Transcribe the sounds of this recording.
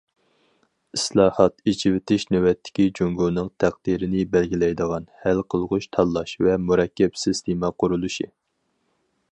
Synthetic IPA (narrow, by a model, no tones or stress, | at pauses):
islˠɑːhɑt̪it͡ʃʰiwɪt̪ʰɪʃnøwɛt̪ʰːɪ̥kʲid͡ʒoŋɡunɨŋt̪ʰæq̚d̪̥iɾɪnɪbɛlɡʲilɛjd̪əʁɑnhælqʰəlˠʁʊʃt̪ʰɑlˠːɑʃvɛmuɾɛkʲːɛpsɪst̪ʰimɑqʰʊɾulˠuʃi